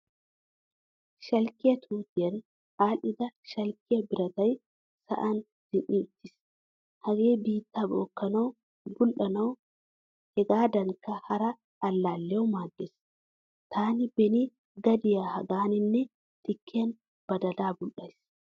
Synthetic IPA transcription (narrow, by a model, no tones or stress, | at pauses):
ʃɐlkːɪjɐt̪ʰuːt̪ɪjɐn | aːlːɪd̪ɐʃɐlkɪjɐbɪɾɐt̪ɐj | sɐ̰ʔɐn | d̪̥ɪnʔɪʊt̪ːɪs | hɐɡeːbiːt̪ːaboːkːɐnɐw | bʊlʔɐnɐw | hɛɡaːd̪ɐŋkɐhɐɾɐː | lːaːlːɛwmaːd̪ːes | t̪ʰaːnɪbɛni | ɡɐd̪ɪjahɐɡaːnɪnːɛ | t̪ɪkʰːeːn | b̥ɐd̪ɐlaːbʊlʔɐjs